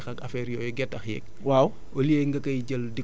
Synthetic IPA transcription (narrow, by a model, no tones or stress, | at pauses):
xɐkɐfɛɾijɔːjɛɡɛtːɐxjɛ̰k̚ | waːw | olieŋɡɐkɐjɟəldi